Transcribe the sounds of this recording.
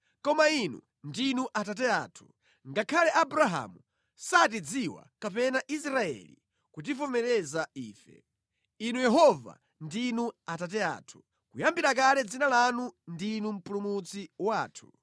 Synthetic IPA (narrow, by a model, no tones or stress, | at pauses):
kɔmainṵ | ndinuʔatatɛa̰ːtʰu̥ | ŋɡakʰalɛʔabuɾaɦa̰mu | satid͡ziwa̰kapɛnaʔis̬ɾaɛ̰lḭ | kut̬ifɔmɛlɛzaiːfɛ̰ | inujɛɦɔva̰ | ndinuatat̬ɛa̰ːtʰu̥ | kujambiɾak̬alɛd͡zinalanundinum̩pulumut͡siwaːtʰu̥